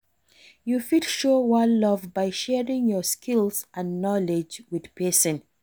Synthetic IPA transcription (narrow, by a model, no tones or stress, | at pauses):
jufitʃowallɔvbaɪʃɛɹĩŋjɔskʰilsʔãnːɔled͡ʒwið̥pʰɛsə̃n